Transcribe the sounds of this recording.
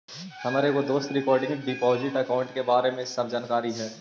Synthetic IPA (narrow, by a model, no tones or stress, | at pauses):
hɐmaːɾekod̪oːst̪ɾɪkɔːɾɖɪ̃ŋɡɖɪpɔːzɪʈɐkaːʊ̃ɳʈkebaːɾemẽɪssɐbʱd͡ʒaːnkaːɾiɦɛː